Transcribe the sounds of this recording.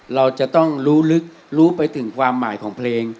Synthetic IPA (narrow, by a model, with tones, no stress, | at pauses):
ɾa˧wt͡ɕa˨˩ʔt̪ɔ˥˩ŋɾuː˦˥lɯ˦˥k̚ | ɾuː˦˥pa˧jt̪ʰɯ˩˦ŋkʰwaː˧mːaː˩˦jkʰɔː˩˦ŋpʰleː˧ŋ